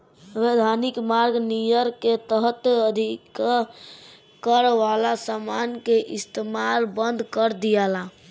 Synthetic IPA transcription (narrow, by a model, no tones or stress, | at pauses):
ʋed̪ʱanikmaɾɡnijəɾket̪əɦət̪əd̪ʱik | kəɾʋalasamankeʔist̪emalbənd̪ʱkəɾd̪ijala